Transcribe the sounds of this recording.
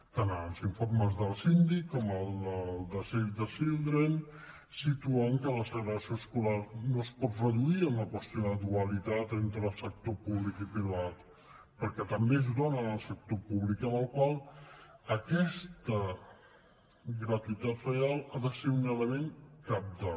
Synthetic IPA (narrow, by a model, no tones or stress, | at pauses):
t̪anəlˠziɱfoɾməzðəlˠsind̪ikːɔməlˠd̪əlˠd̪əsɛɾd̪əsilˠd̪ɾen | sit̪uaŋkələsəɣɾəəsioəskulaɾnospɔt̪rəðuiəmləkwəst̪ioðəðuəlit̪at̪ent̪ɾəːlˠsək̚t̪opuβlikipɾiβat̪ | pəɾkɛt̪əmbezðonənəlˠsək̚t̪opuβlikənəlˠkwalˠ | əkɛst̪ə | ɡɾət̪uit̪at̪rəalˠaðəseunələmeŋkap̚d̪ə